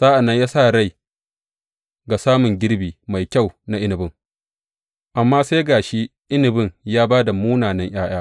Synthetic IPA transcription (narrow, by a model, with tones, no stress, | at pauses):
z̥aː˦ʔa˨nːɐ˦ɲjaː˦sa˦˨ɽa˦˨j | ɡa˨saː˦mʊ˨ŋɡʲɪ˦ɽbiː˨ma˨jkʲa˦˨wna˨ʔɪ˦nɪ˨bɪ˦˨ŋ | ʔa˨mːaː˦se˦ɡaː˨ʃi˦ʔɪ˦nɪ˨bɪ˦˨ŋjaː˦baː˦da˨muː˦naː˨nɐ˦ŋʔj̰aː˦j̰aː˦